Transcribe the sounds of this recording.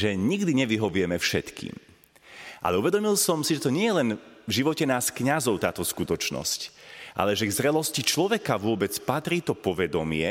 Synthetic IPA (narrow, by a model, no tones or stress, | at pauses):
ʒɛɲiɡd̪iɲɛʋiɦɔʋʊɛmɛfʃɛt̪kʰḭːm | ʔa̰lɛuʋɛd̪ɔmilsɔmsiʒɛt̪ɔɲɪɛjɛlɛnvʒiʋɔcɛnaːskɲazɔʊt̪aːt̪ɔskut̪ɔt͡ʃnɔ̰scʔa̰lɛʒɛɡzɾɛlɔscit͡ʃlɔʋɛkaʋʊɔbɛt͡spat̪ɾiːt̪ɔpɔʋɛd̪ɔmɪɛ